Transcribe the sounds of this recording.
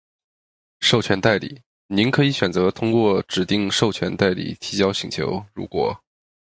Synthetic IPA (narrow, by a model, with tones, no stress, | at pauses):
ʂo˥˩ʊt͡ɕʰɥɛ˧˥nt̪a˥˩ɪlḭ˨˩˦ | ni˧˥nkʰɤ˧˥i˨˧˥ɕɥɛ˨˩nt͡sɤ˧˥t̪ʰʊ˥ŋkwɔ˥˩ʈ͡ʂɻ̩˨˩t̪i˥˧ŋʂo˥˩ʊt͡ɕʰɥɛ̰˧˥nt̪a˥˩ɪlḭ˨˩t̪ʰi˧˥t͡ɕjɑ˥ʊɕi˧˥ŋt͡ɕʰjo̰˧˥ʊɻṵ˧˥kwɔ̰˨˩˦